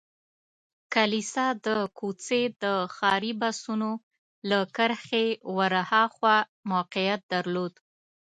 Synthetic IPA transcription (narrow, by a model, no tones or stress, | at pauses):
kalisɑd̪əkut͡sed̪əxɑɾibasuno | lakəɾxewaɾahɑxwa | mawqijat̪̚d̪aɾlod̪